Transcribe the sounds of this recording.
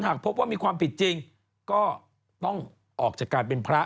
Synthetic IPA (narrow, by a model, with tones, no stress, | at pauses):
nhaː˨˩k̚pʰo˦˥p̚waː˥˩miː˧kʰwaː˧mpʰi˨˩t̪̚t͡ɕi˧ŋ | kɔː˥˩ | t̪ɔ˥˩ŋ | ʔɔː˨˩k̚t͡ɕaː˨˩kːaː˧jpe˧npʰɾa˦˥